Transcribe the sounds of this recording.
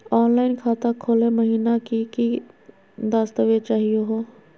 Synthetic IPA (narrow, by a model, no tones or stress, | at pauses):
ɔːnlaːɪnkʰaːt̪akʰoːlẽmɐɦiːnakiki | d̪aːst̪əʋet͡ʃaːɦijeɦoː